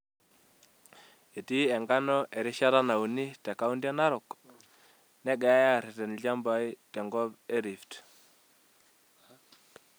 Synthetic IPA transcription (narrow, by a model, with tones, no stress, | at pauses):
e˨ti˦ɛ˨ŋɡa˦nɔ˦ʔɛ˨ɾɪ˦ʃa˦ɾa˦na˨u˨ni˦tɛ˨ka˦u˦ndja˦na˦ɾʊ˨k | nɛ˦ɡɛ˨a˦ja˦˨ɾɪ˨tɛ˨nɮa˦mba˨i˦tɛ˨ŋɡɔ˦bɛ˦ɾi˨ft